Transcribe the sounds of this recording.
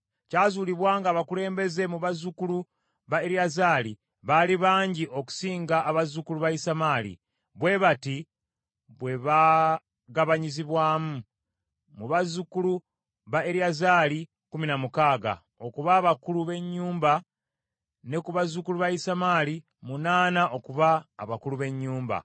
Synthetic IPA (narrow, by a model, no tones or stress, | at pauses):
caːzuliβwaːŋɡaːβakule̞ːmbe̞ze̞muβazukulu | βaeɾiazaːli | βaliβaːɲɟiʔo̞ku̥siːŋɡaʔːβazukuluβaisamaːlḭ | βwe̞βati | βwe̞βa | ɡaβaɲiziβwaːmu | muβazukulu | βaeɾiazaːli | kuminamukaːɡa̰ | o̞kuβaːβakuluβe̞ɲːuːmba | ne̞kuβazukuluβaisamaːli | munaːnaʔo̞kuβaːβakuluβe̞ɲːuːmba̰